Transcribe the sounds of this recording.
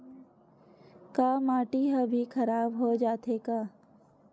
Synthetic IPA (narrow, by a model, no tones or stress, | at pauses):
kaːmaːʈiɦəbʱikʰɐɾaːbɦod͡ʒaːt̪eːkaː